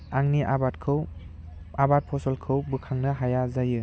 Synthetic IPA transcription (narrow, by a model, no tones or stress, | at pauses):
aŋniʔabatkʰɯw | abat̚pʰɔsɔlkʰɯwbɯkʰaŋnɐɦajazajɯ